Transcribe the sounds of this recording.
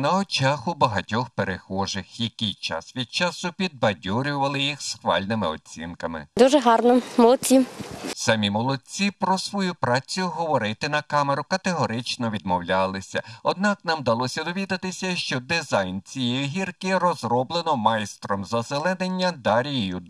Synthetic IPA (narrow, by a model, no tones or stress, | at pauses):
nɐɔt͡ʃɑxʊbɐɦɐtʲɔxpeɾexɔʒɪxjɐkʲijt͡ʃɑ̰sʋʲid̪̚t͡ʃɑsʊpʲid̪̚bɐdʲuɾʲʊʋɐlˠɪjixsxʋɑ̰lʲnɪmɪɔ̰t͡sʲḭnkɐmɪ̰d̪uʒɛɦɑrnɔmɔlˠɔt͡sʲisɐmʲimɔlˠɔt͡sʲipɾɔsʋɔjupɾɑt͡sʲijʊɦɔʋɔɾɪt̪ɪnɐkɑmeɾʊkɐt̪eɦɔɾɪt͡ʃnɔʋʲid̪̚mɔwlʲalˠɪsʲɐ̰ɔd̪̚nɑknɑmd̪ɐlˠɔsʲɐd̪ɔʋʲid̪ɐt̪ɪsʲɐʃt͡ʃɔd̪ɪzɑjnt͡sʲijɛjɦʲirkɪrɔzrɔblˠenɔmɑjst̪ɾɔmzɐselˠɛnenʲːɐd̪ɑɾʲijijʊ